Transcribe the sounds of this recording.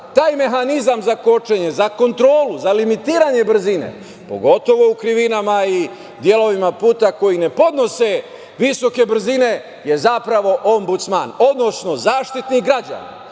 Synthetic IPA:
t̪aːjme̞ɦanizamzako̞t͡ʃe̞ɲe̞zako̞nt̪ɾo̞ːluzalimit̪iːɾaɲe̞br̩zine̞̰ | po̞̰ɡo̞t̪o̞ʋo̞ukɾiʋinamai | d̪je̞lo̞ʋimapuːt̪ako̞jine̞po̞d̪no̞se̞ | ʋiso̞ke̞br̩zine̞ | je̞zapɾaʋo̞ʔombut̪sma̰no̞d̪no̞sno̞zaːʃt̪it̪niɡɾad͡ʑa̰na̰

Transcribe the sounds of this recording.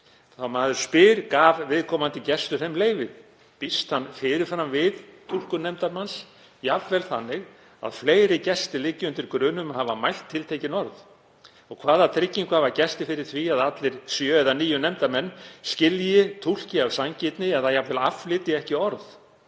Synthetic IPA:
θawmaːðʏɾ̥spɪɾkaːvvɪðkʰɔːmant̪ɪcɛst̪ʏɾejmleːjvɪð | pist̪hanːfɪːɾɪɾ̥fɾamvɪðt̪ʰul̥kʏnɛmt̪aɾmans | javvɛlθanːɪɣ | a̰ðfleːjɾɪcɛst̪ɪlɪcːɪʏnt̪ɪɾkɾʏːnʏmahavamajl̥t̪ʰːɪlt̪ʰejcɪnɔɾð | ɔɣkʰv̥aːðat̪ʰɾɪcːiŋkavacɛst̪ɪfɪɾɪɾ̥θviaðat̪lɪɾ̥sjœːɛðaniːjʏnɛmt̪aɾmɛnːscɪljɪt̪ʰul̥cɪavsaɲcɪt̪nɪɛθajavɛlaflɪt̪ɪɛhcɪɔɾð

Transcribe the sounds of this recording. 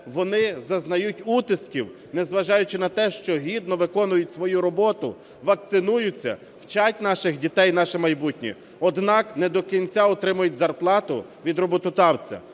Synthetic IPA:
ʋɔnɪzɐznɐjutʲut̪ɪskʲiw | nɛzʋɐʒɑjʊt͡ʃɪnɐt̪ɛʃt͡ʃɔɦʲid̪nɔʋɪkɔnʊjʊtʲsʋɔjuɾɔbɔt̪ʊ | ʋɐk̚t̪sɪnujʊt͡sʲːɐ̰ | wt͡ʃɑtʲnɑʃɪxdʲit̪ɛjnɑʃɪmɐjbutʲnʲḭ | ɔd̪nɑknɛd̪ɔkʲinʲt͡sʲaɔt̪ɾɪmʊjʊtʲzɐrplˠɑt̪ʊʋʲid̪rɔbɔt̪ʊt̪ɑwt͡sʲɐ̰

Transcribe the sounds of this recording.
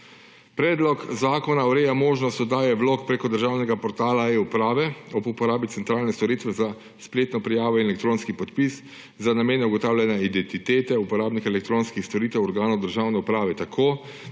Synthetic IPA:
pɾɛːd̪lɔkzaːkɔnaɔɾɛjamoːʒnɔst̪ɔd̪aːjɛʋloːkpɾekɔd̪əɾʒawnɛɡapɔɾt̪aːlaiupɾaːʋɛɔbupɔɾaːbit̪sɛnt̪ɾaːlnɛst̪ɔɾit̪ʋɛza | spleːt̪nɔpɾɛjaːʋɔinɛlɛkt̪ɾoːnskipɔt̪pis | zanameːnɛuɡɔt̪aːwlʲjɛnjaid̪ɛnt̪it̪eːt̪ɛupɔɾaːbnixɛlɛkt̪ɾoːnskixst̪ɔɾiːt̪ɛwɔɾɡaːnɔwd̪əɾʒawnɛupɾaːʋɛt̪akʰoː

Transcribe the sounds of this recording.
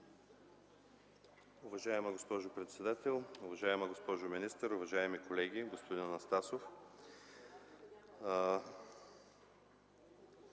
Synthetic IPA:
ʊvɐʒaɛmɐɡospɔʒʊpɾɛt̪sɛd̪at̪ɛlˠʊvɐʒaɛmɐɡospɔʒʊminist̪əɾʊvɐʒaɛmikolɛɡʲiɡospod̪innɐst̪asof

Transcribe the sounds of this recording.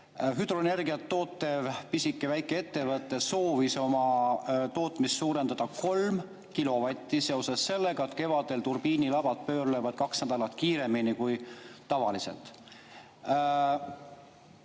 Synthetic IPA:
fyd̪̥roene̞rɡiɑt̪ːo̞ːt̪ːe̞vpisikːˑevæjkːˑee̞t̪ːe̞vɤt̪ːˑe̞so̞ːviso̞mɑt̪o̞ːt̪ˑmist̪suːɾe̞nd̪̥ɑd̪̥ɑko̞lm | kilo̞vɑt̪ʲːˑise̞o̞sɑsːe̞lːe̞ɡ̥ɑet̪ke̞vɑd̪e̞lt̪urb̥iːnilɑb̥ɑt̪̚pø̞ːrlevɑd̪̥̚kɑksnæd̪ɑlɑt̪kiːɾe̞minikujt̪ɑvɑlise̞̰lt̪ˑ

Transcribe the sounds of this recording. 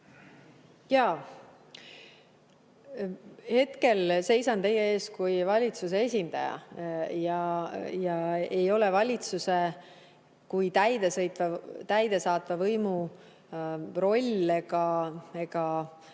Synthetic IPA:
jɑː | he̞t̪ke̞lse̞jsɑnt̪e̞jːee̞ːskujvɑlʲit̪sus̬e̞esʲind̪̥ɑ̰jɑ̰jɑjɑejo̞levɑlʲit̪suse | kujt̪æjd̪esɤjt̪vɑt̪æjd̪̥e̞sɑːt̪ˑvɑvɤjmu | ro̞lʲːeɡɑeɡ̥ɑ

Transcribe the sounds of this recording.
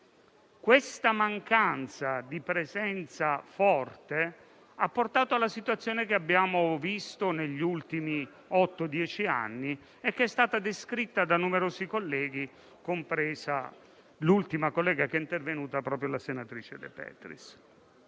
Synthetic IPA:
kwest̪amaŋkant̪sad̪ipɾezɛnt̪safɔrt̪e | apːort̪aːt̪oalːasit̪wat̪sːjoːnekeabːjaːmovist̪oneʎːult̪imi | ɔt̪ːod̪jɛːt͡ʃia̰nːi | ekːeɛst̪aːt̪ad̪eskɾit̪ːad̪anumeɾoːsikolːɛːɡi | kompɾɛːza̰ | lult̪imakolːɛːɡakɛint̪ervenuːt̪apɾɔːp̬ɾjolasenat̪ɾiːt͡ʃed̪ḛpɛ̰ːt̪ɾḭs

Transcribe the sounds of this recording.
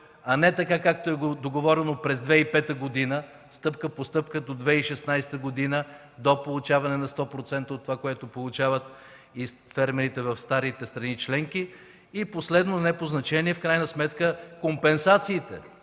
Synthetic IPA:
ɐnɛt̪ɐkakak̚t̪oɛɡod̪oɡovɔɾɛnopɾɛzd̪vɛipɛt̪əɡod̪inə | st̪ɤpkəpost̪ɤpkəd̪od̪vɛiʃɛsnajst̪əɡod̪inə | d̪opolˠut͡ʃavɐnɛnɐst̪ɔpɾot̪sɛnt̪əot̪ːovakoɛt̪opolˠut͡ʃavət̪ | isfɛɾmɛɾit̪ɛvɐfst̪aɾit̪ɛst̪ɾɐnit͡ʃlɛŋk̟i | iposlɛd̪nonɛpoznɐt͡ʃɛniɛfkɾajnəsmɛt̪kəkompɛnsat̪siːt̪ɛ̰

